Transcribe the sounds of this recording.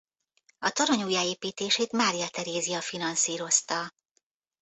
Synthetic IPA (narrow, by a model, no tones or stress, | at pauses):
ɒt̪ɒɾɒɲuːjaːeːpiːt̪eːʃeːt̪maːɾijɒt̪ɛɾeːzijɒfinɒnsiːɾo̞st̪ɒ